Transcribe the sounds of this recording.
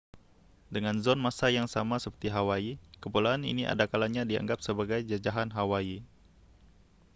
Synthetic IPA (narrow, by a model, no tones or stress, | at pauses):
dəŋanzɔnmasajaŋsamasəpərt̪iɦawaikəpolaːnḭniʔa̰dakalaɲadia̰ŋɡap̚səbaɡajd͡ʒad͡ʒaɦanɦawai